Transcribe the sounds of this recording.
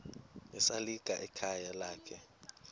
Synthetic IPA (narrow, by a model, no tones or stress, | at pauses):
ɛsaliɡ̥ʼʱaʔɛkʰajalaːkʰɛ